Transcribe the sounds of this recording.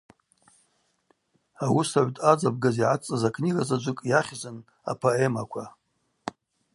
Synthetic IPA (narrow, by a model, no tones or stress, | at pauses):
awusaʕʷtʼad͡zab̚ɡaziʕat͡sʼazakʰʼniɡazad͡ʒʷɨkʼjaχʲzʷɨn | a̰pʰoemakʷʰa